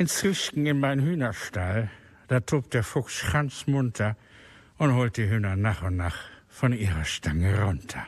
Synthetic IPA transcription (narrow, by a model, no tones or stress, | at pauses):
ʔɪnt͡sɪʃkŋ̩ɪnmaɪnnhyːnɐʃtal | d̥aːtʰoːp̚d̥eːɐfʊksʃʁ̥ant͡smʊntʰɐ | ʊnthoːlt̚d̥iːɦyːnɐnaːχʊntnaːχ | fɔnʔiːʁɐʃtʰaŋəʁʊntʰɐ̥